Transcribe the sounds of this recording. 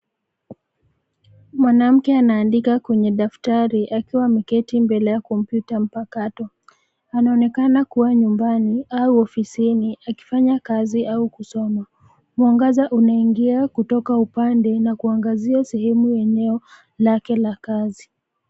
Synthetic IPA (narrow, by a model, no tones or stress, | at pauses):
mwanam̩kɛanaːndikakwɛɲɛɗaftaɾiʔakiwamikɛtimbɛlɛjakɔm̩pjutam̩pakatɔ | anaɔnɛkanakuwaɲumbaniauɔfisiniaki̥faɲakaziʔaukusɔma | muaŋɡazaʔunaiŋɡiakutɔkaupandɛnakuaŋɡaziasɛhɛmujɛɲɛɔ | lakɛlakazi